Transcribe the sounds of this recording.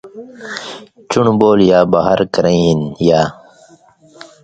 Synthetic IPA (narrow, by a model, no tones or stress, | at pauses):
t͡ɕuɳboːljaːbaːɦəɾkəɾẽiɦinjaː